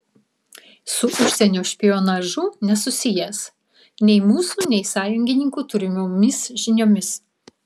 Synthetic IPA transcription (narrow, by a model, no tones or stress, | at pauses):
sʊʔʊʃʲsʲɛnʲoːʃʲpʲɪjoːnɑʒʊnʲɛsʊsʲɪjɛs | nʲɛɪmuːsuːnʲɛɪsɑːjʊŋʲɡʲɪnʲɪŋkuːt̪ʊɾʲɪmʲomʲɪsʒʲɪnʲoːmʲɪs